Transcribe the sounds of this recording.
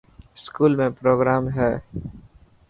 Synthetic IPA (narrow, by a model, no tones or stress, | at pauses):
skuːlmẽpɾoːɡɾaːmɦɛː